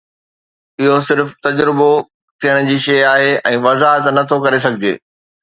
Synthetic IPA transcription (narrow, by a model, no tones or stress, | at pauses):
ɪɦosɪɾft̪ɐd͡ʑɾɪbo | t̪ʰijəɽ̃ʊ̆d͡ʑiːʃɐjaːɦeɛ̃ːʋɐzaːɦət̪nɐt̪ʰokɐɾes̬ɐɡʱɪd͡ʑḛː